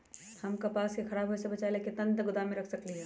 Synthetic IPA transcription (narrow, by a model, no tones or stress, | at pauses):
hɐmkapaːsexʰɐɾaːbɦosebɐt͡ʃaːeleket̪ɐ̃nt̪ɡʊd̪aːmẽɾɐkʰsɐkliɦɛː